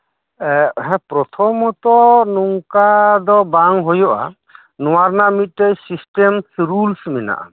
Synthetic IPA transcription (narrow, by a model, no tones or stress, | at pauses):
ɛɦɛpɾɔt̪ʰɔmɔt̪ɔnuŋkad̪ɔbaŋɦojɔʔa̰ | nɔwaɾnamit̪̚ˀtɛjsisʈɛmɾulsmɛna̰ʔa̰